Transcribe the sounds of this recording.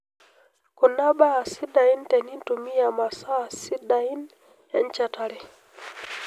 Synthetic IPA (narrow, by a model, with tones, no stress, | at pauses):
ku˨na˦ɓaː˦˨si˦da˨i˦ntɛ˨ni˦ntu˨mi˦a˨ma˨sa˦˨si˦ɗa˨i˦n | ɛ˦nt͡ʃa˨ta˦lɛ˦